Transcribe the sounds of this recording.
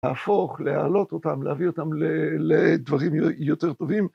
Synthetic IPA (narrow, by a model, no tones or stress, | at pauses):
afo̞χleha̰lo̞t̪o̞t̪amlehavio̞t̪amleled̪vaʁimjo̞t̪eʁt̪o̞vim